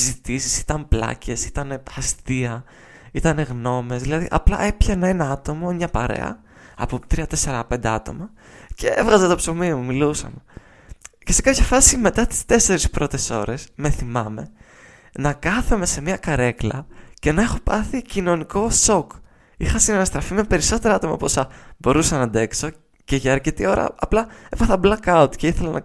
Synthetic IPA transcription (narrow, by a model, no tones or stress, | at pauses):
zit̪isi̥si̥t̪ɐmplɐ̰ce̞si̥t̪ɐne̞ɐst̪iɐ | it̪ɐne̞ɣno̞mezðilɐðḭʔɐ̰plɐ̰ʔe̞pçɐnɐineɐt̪o̞momɲɐpɐɾḛɐ̰ | ɐ̰pot̪ɾiɐt̪ese̞ɾɐpe̞nd̪e̞ɐt̪o̞̰mɐ | ceevɣɐzɐt̪opsomiimumilusɐ̰me | ce̞se̞kɐpçɐfɐsime̞t̪ɐt̪i̥st̪e̞se̞ɾispɾo̞t̪e̞so̞̰ɾʔe̞sme̞θimɐme̞ | nɐkɐθume̞se̞miɐkɐɾe̞klɐ̰ce̞nɐe̞xo̞pɐθicino̞niko̞so̞k | ixɐsinɐnɐst̪ɾɐfime̞pe̞ɾiso̞t̪e̞ɾɐɐt̪o̞mɐ̰posɐbo̞ɾusɐnɐd̪e̞kso̞ | ce̞ʝɐːɾcit̪io̞ɾɐ̰ɐplɐevɐθɐblɐkɐut̪ce̞iθelɐnɐ̰